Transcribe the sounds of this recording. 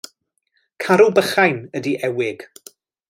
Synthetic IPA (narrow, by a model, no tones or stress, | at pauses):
kʰaɾubəχajnədiʔɛwɪɡ̥